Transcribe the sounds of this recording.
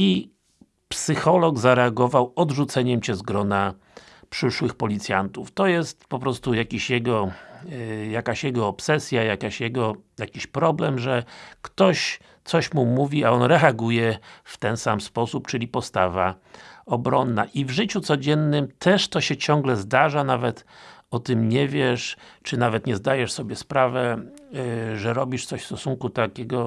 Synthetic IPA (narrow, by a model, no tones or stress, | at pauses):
i | psɘxɔlɔɡzaɾɛaɡɔvawɔd̪ʐut̪sɛɲɛmt͡ɕɛzɡɾɔna | pʂɘʂwɘxpɔlʲit̪sʲja̰nt̪uft̪ɔjɛst̪pɔpɾɔst̪ujakʲiɕjɛɡɔ | jakaɕjɛɡɔɔpsɛsʲjajakaɕjɛɡɔjakʲiɕpɾɔblɛmʐɛkt̪ɔɕ | t̪sɔɕmumuvʲiaɔnɾɛaɡujɛft̪ɛnsamspɔsupt͡ʂɘlʲipɔst̪ava | ɔbɾɔnːaʔivʐɘt͡ɕut̪sɔd͡ʑɛnːɘmt̪ʰɛʂt̪ɔɕɛt͡ɕɔ̃ŋɡlɛzd̪aʐanavɛt̪ɔt̪ɘmɲɛvʲjɛʂt͡ʂɘnavɛt̪ɲɛzd̪ajɛʂsɔbʲjɛspɾavɛ | ʐɛɾɔbʲiʂt̪sɔɕfst̪ɔsuŋkut̪akʲɛɡɔ